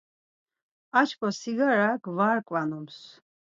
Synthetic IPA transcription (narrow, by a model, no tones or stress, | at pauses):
at͡ʃʰkʼɔsiɡaɾaɡvaɾkʼwanɔms